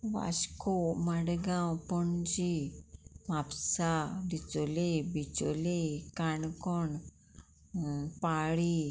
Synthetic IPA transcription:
ʋa̰skoməɽɡãwpəɳd͡ʑi | mapsad̪it͡solebit͡so̰lekaɳkɔɳ | paɭi

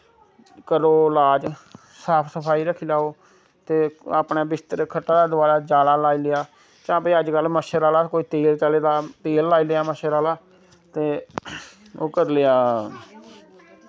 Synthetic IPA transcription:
kəɾoːlaːd͡ʒ | saːpʰsəpʰaːiːɾəkʰːiːlaːoː | t̪eːəpɳaːbɪst̪əɾkʰəʈːaːd̪aːd̪ʊbaːɾaːd͡ʒaːlaːlaːilejaː | t͡ʃãːbiːəd͡ʒkəlməʃəɾaːlaːkoːiːt̪eːlt͡ʃaleːd̪aːt̪eːlːaːileːaːməʃəɾaːlaː | t̪eː | o̰ːkəɾleːaː

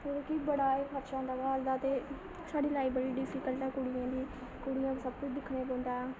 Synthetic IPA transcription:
oːɾkibəɽaːeːbʰəɾʃãːd̪aːʋaːld̪aːt̪eː | saːɖiːlaːiːbəɽiːɖɪfʰiːkəlʈãːkʊɽɪjãːd̪iː | kʊɽɪjãːkːsəb̚kʊt͡ʃd̪ɪkʰːneːbõːnd̪aːɛː

